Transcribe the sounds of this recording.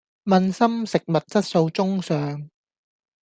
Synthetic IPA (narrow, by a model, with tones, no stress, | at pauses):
mɐ˧nsɐ˥msɪ˨k̚mɐ˨t̚t͡sɐ˥t̚so˧wt͡sʊ˥ŋsœː˨ŋ